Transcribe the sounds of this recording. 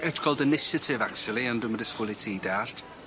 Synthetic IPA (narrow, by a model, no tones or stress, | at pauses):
ətkʰɔlˠdənɪʃətʰɪvak̚t͡ʃulˠiə̃ndumədɪskʊlˠitʰiːdart